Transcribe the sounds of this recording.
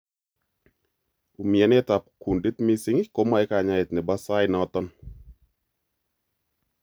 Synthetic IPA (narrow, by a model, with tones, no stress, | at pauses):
u˨mi˨ɛ˨nɛ˦t̪a˨p̚ku˨ndi˦t̪misɪ˦ŋɪko˦ma˦ɛ˦ka˨ɲa˨ɪ˨t̪̚nɪ˨ba˦sa˦jnɔt̪ɔn